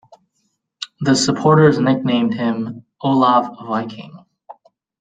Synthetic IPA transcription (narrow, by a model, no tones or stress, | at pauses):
ðɨsəpʰɔɹɾə˞znɛk̚nẽɪ̃md̥̚ɪ̃m | oʊlɑvvaɪkʰɪ̰̃ŋ